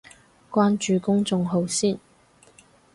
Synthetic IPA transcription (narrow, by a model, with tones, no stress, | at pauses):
kwaː˥nt͡ʃyː˨˧kʊ˥ŋt͡sʊ˨˧ŋɦo˨˧wsiː˥˩n